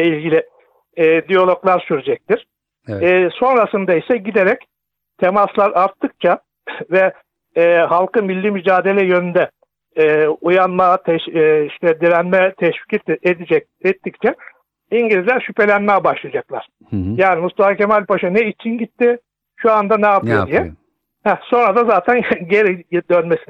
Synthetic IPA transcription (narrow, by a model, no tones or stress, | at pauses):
ɛilʲɟilʲɪː | d̪ijo̞lʲˠoklˠaɾsyɾed͡ʒɛc̚t̪iɾ̥ː | so̞nɾasɯnd̪aisɛɟid̪eɾɛc | t̪ʰemaslˠaɾaɾt̪ʰːɯk̚t͡ʃʰa | vɛː | halˠkɯmilʲːimyd͡ʒaːd̪e̞lʲɛjø̞nynd̪ɛː | ujanmat̪ʰɛʃiʃt̪ɛd̪ilʲænmɛt̪ʰɛʃvi̥cɛt̪ed̪id͡ʒɛc | ɛt̪ːict͡ʃʰɛ | iɲɟilʲizlʲæɾʃype̞lʲænmɛjɛbaʃlˠad͡ʒaklˠa̰ɾ̥ | jaːnimust̪afacemalʲpʰaʃɯnɛit͡ʃʰinɟit̪ʰːi | ʃuand̪anaːp̪ʰɯjod̪ijɛ | hæso̞nɾad̪azaːt̪ʰænɟeɾid̪ønmesin